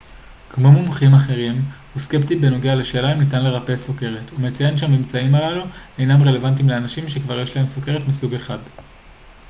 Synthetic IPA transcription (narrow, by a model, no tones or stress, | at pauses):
kmo̞mumχimaχe̞ʁimhuske̞ptibe̞no̞ɡealeʃe̞ːlaimnit̬anle̞ʁapesoke̞ʁetumet͡saje̞nʃeamːimt͡saimalalue̞jnamʁe̞le̞vant̬imleanaʃimʃekvaʁje̞ʃlae̞msoke̞ʁetmisuɡe̞χad